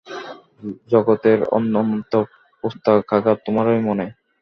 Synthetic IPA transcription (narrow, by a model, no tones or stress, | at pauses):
d͡ʑɔɡot̪eɾɔ̰nːont̪o | post̪ʰakʰakaɾ̚t̪omaɾojmone